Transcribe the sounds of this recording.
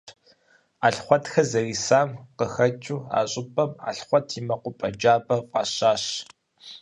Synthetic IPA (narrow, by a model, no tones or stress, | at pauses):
aːɬχʷɔtxɐzɐriːsaːmqəxɐt͡ʃʼuːa̰ːɕʼɪpʼɐma̰ːɬχʷɔtʰimɐqʷʊpʼɐd͡ʒaːbɐqʼɑːɕaːɕ